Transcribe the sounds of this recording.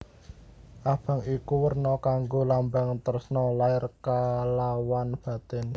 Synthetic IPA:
ʔab̥a̤ŋikuwərnɔkaŋɡolambaŋt̪əɾʊsnɔlaɪrkalawanb̥a̤t̪ɛ̤n

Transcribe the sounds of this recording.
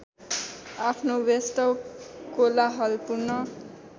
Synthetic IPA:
apʰnowest̪ʌwkolaɦʌlpurnʌ

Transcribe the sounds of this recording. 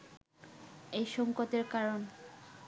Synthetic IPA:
ejʃɔŋkot̪eɾkaɾon

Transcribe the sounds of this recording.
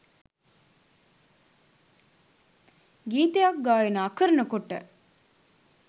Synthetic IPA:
ɡiːt̪ejak̚ɡaːjenəɐkəɾənəkoʈːə̰

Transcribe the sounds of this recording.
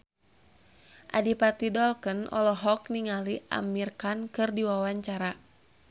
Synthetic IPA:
ʔa̰dipat̪idɔlkənʔɔ̰lɔɦɔkniŋaliʔa̰mirkankɨrdiwawaɲt͡ʃaɾa

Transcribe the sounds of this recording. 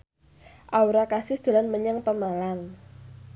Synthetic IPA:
ʔauɾakasɪhd̪̥ə̤lanməɲaŋpəmalaŋ

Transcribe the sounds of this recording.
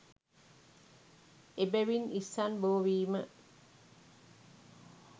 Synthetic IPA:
ebæʋinisːanboːʋiːmə

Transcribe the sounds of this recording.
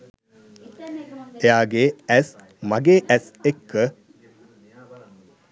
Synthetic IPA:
ejaːɡeːæs | maɡeːʔæsekːə

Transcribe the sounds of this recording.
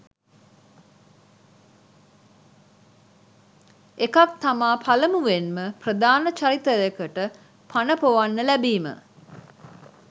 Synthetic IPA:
ekak̚t̪amaːpʰaləmuʋenməprəd̪aːnət͡ʃaɾit̪əjekəʈə | pʰanəpoʋanːəlæbiːmə̰

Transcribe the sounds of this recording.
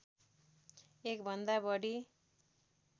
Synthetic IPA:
ek̚bʱʌnd̪abʌɽi

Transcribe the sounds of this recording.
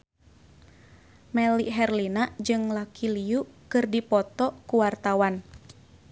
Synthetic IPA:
mɛliɦɛrlinad͡ʒɨŋlakiliuʔkɨrdipɔt̪ɔkuwart̪awan

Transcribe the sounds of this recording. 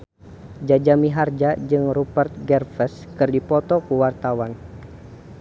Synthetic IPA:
d͡ʒad͡ʒamiɦard͡ʒad͡ʒɨŋrupərt̪̚ɡɛrfəskɨrdipɔt̪ɔkuwart̪awan

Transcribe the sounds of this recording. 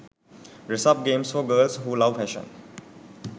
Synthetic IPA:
ɹɛsap̚ɡẽmsfɔɡəlshulawfɛʃə̰̃n

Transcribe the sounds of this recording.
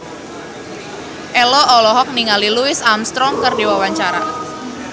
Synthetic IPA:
ʔɛlɔʔɔlɔɦɔk̚niŋaliluɪsamst̪ɾɔŋkərdiwawaɲt͡ʃaɾa̰

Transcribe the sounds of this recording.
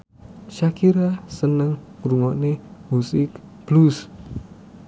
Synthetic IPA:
ʃakiɾasənəŋ | ɾuŋɔʔnemusɪkb̥lus

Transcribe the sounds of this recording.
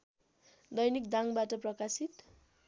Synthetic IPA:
d̪ʌjnikd̪aŋbaʈʌprʌkasit̪

